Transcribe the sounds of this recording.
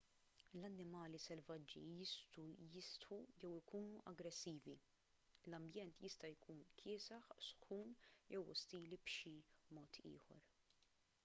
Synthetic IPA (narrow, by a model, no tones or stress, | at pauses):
lɐnːɪmɐːlisɛlvɐd͡ʒːḭjɪst̪ujɪst̪ħujɛwɪkuːnuʔɐɡɾɛsːiːvi | lɐmbjɛnt̪jɪst̪ɐjkʰuːnkʰɪːsɐħsʊ̥xuːnjɛwʊ̰st̪iːlibʃimɔːt̪ʰḭːħɔ̰ɾ